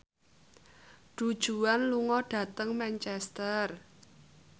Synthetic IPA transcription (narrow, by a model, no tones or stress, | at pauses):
ɖ̥ud̥ʒ̥uanluŋɔɖ̥ä̤t̪əŋmɛnt͡ʃɛst̪ər